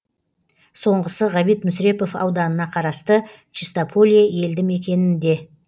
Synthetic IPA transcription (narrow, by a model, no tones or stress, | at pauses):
so̞ɴʁəsəʁɑbijt̪mʊsɾe̞po̞fɑ̰wd̪ɑnənɑqʰɑɾɑst̪ə | t͡ʃist̪apʰolʲijaje̞ld̪ɪme̞kʲe̞nɪnd̪e̞